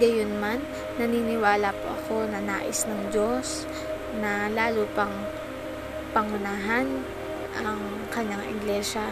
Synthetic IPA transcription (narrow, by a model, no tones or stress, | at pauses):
ɡɐjonmanː | ɐninɪwaːlɐpo̰ʔɐko̞nɐna̰ːʔɪsnɐŋd͡ʒo̞s | nɐlaːluːpɐŋ | pɐŋʊnaːɦan | ʔɐŋ | kɐɲːaŋɪ̰ɡlɛʃɐ